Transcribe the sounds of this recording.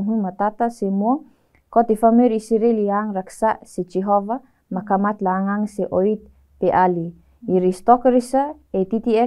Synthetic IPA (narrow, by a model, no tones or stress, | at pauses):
ɦumat̪at̪asemua | kot̪ifameɾisiɾeliaŋɾaksaʔset͡ʃeɦova | makamat̪laːŋaŋseʔoit̪̚ | peʔali | iɾist̪okɾisa | et̪it̪ie